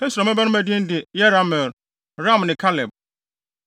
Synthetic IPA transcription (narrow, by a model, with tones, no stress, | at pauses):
ɛ˦su˨a˨ma˦ba˦nʊ̃˦mæ˨dĩ˦n̩˦dɪ˨jɛ˦ɾa˦mɛ˨ɾ | ɾã˦˨mnɪ̃˨kʰa˦lɛ˨b̚